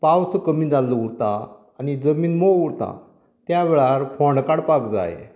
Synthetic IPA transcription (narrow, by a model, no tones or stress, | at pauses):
pawt͡səkəmiːd͡zalːəuɽt̪aː | ñid͡zəmiːnmouɽt̪a̰ | t̪jaʋeɭaɾfʰɔɳɖkaɽpakd͡za̰j̰